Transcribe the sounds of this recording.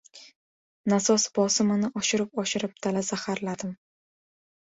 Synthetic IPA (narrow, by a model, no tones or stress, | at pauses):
nasɒsbɒsɪmanɪʔɒʃɪɾɪp̚ɒʃɪɾɪp̚t̪ʰalazahaɾlad̪ɪm